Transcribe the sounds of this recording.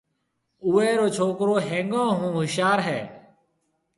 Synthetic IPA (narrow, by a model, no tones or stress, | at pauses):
ʊːɛːɾoːt͡ʃʰoːkɾoːɦẽːŋɡãːɦũːɦʊʃjaːɾɦɛː